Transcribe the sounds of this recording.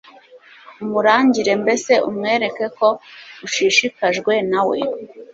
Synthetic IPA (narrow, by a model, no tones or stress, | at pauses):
umuɾaːɲɟiɾe̞mbe̞se̞umŋe̞ːɾe̞ke̞ko̞uʃiʃikaʒɡwe̞nawḛ